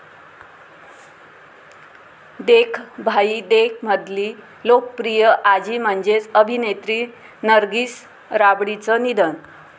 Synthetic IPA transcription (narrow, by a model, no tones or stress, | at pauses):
d̪ekʰbʱaid̪ekʰməd̪liː | lokəpɾijəʔad͡ʑiːm̤əɳd͡zet͡səbʱinet̪ɾi | nəɾɡiːs | ɾabɽit͡sənid̪ən